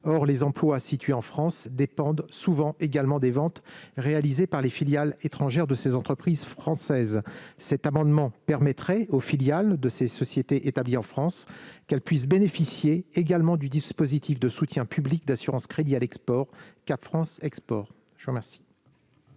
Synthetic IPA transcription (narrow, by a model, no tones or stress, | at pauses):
ɔʁlezɑ̃plwasit̪ɥeɑ̃fχɑ̃sd̪epɑ̃d̪suvɑ̃ʔeɡalmɑ̃d̪evɑ̃t̪ʁealizepaʁlefiljalet̪χɑ̃ʒɛʁd̪əsezɑ̃t̪χəpχizfχɑ̃sɛzsɛt̪amɑ̃d̪mɑ̃pɛʁmɛt̪χɛofiljald̪əsesɔsjet̪eʔet̪abliɑ̃fχɑ̃skɛlpɥis̬benefisjeːɡalmɑ̃d̪yd̪ispozit̪ʰifd̪əsut̪jɛ̃pyblikd̪asyʁɑ̃skχed̪ialɛkspɔʁkapfχɑ̃sɛkspɔʁ | ʒəuʁəmɛʁsi̥